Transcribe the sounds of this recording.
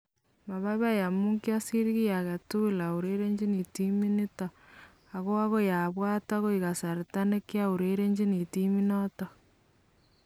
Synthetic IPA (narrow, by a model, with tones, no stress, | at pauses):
ma˨βa˦βa˦ja˨mu˦ŋkja˦si˦ɾiɣi˦ja˨ɣa˨tu˦la˨u˨ɾe˦ɾe˦ɲd͡ʒi˦ni˨ti˦mi˦ni˦tɔ˨ | a˨ɣo˦a˦ɣo˦ja˨βwaː˦ta˦ɣo˦i˨ɣa˨sa˨ɾi˨ta˦ne˦kja˦u˨ɾe˦ɾe˦ɲd͡ʒi˦ni˨timi˦nɔtɔ˨